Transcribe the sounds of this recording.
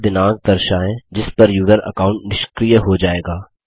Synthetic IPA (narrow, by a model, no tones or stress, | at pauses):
d̪ɪnãːɡ̚d̪ɐɾʃaːɛ̃d͡ʒɪspɐɾjuːzəɾɐ̰kaːʊ̃ɳʈnɪʃkɾijəɦod͡ʒaːeːɡaː